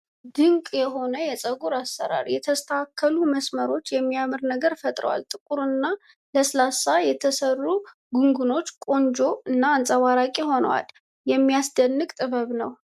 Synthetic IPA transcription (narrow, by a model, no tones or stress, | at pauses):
d̪ɨŋkʼjɛɦo̞nəjɛsʼəɡuɾasːə̰ɾa̰ɾjɛt̪ʰəst̪ʰakʰːəluməsməɾo̞t͡ʃːjɛmːijamɨɾnəɡəɾfət̪ʼɾə̰wa̰lt̪ʼɨkʼuɾɨnːa | ləslasajɛt̪ʰəsərːu | ɡuŋɡuno̞t͡ʃːkʼo̞nd͡ʒo̞ɨnːaːnsʼəwaɾakʼiho̞nəwa̰l | jɛmːijasd̪ənːɨkʼt̪ʼɨβəβnəw